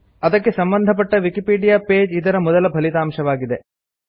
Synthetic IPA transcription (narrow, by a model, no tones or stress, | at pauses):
ɐd̪ɐkːesɐmbɐnd̪ʱɐp̬ɐʈːɐʋikipiːɖijaːpe̞ːd͡ʒid̪ɐɾɐmɔd̪ɐlɐbʱɐlit̪aːmʃɐʋaːɡid̪e̞